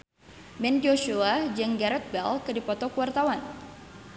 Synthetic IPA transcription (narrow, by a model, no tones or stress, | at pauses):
mɛnd͡ʒoʃuad͡ʒəŋɡaɾɛt̪̚bɛlkɨdipɔt̪ɔkəwart̪awan